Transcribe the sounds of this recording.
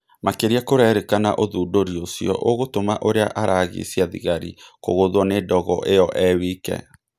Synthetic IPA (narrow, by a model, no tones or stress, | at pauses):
makeɾiakoɾɛɾekana̰ʔoðuːdoɾiosjɔ̰ʔoɣotomaʔoɾea̰ʔaɾaɣḭsjaðḭɣaɾḭko̰ɣoðwɔnedɔɣɔʔejɔʔɛwiːkɛ̰